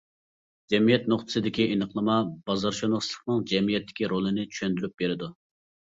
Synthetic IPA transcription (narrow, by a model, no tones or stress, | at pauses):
d͡ʒɛmijɛt̪̚noχt̪ʰɨ̥sɨd̪ɪkʲiʔenəqlˠɨmɑb̥ɑzɑɾʃonəχslˠə̥χnɨŋd͡ʒɛmijɛt̪ʰːɪ̥kʲiɾolˠɨnɪt͡ʃʰy̥ʃønd̪yɾyp̚beɾɪd̪u